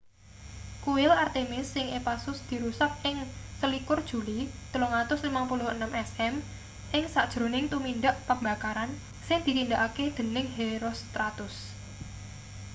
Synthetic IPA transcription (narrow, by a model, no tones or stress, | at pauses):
kuɪlart̪emɪsːɪŋʔepasʊsd̪̥i̤ɾusak̚ʔɪŋsəlikʊrd̥ʒ̥ṳlit̪əloŋat̪ʊslimapulʊhənəmʔɛsɛm | ʔɪŋsad̥ʒ̥ɾo̤nɪŋt̪uminɖ̪aʔpəmba̤kaɾan | sɪŋd̪̥i̤t̪ind̪aʔaked̪̥ə̤nɪŋɦeɾost̪ɾat̪ʊs